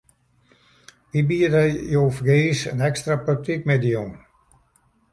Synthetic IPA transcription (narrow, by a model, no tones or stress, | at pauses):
ʋibiədɛjjoːfɡeːsə̰nɛkstrapøk̚tʰik̚mɛdijon